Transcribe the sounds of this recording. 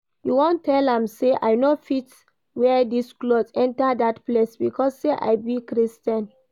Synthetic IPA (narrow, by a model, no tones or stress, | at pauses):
juwɔ̃ntʰːɛlãmseʔa̰jnofit | wɛdisklozɛ̃ntadatplesbikʰɔsːeʔa̰jbikɹistɛ̃n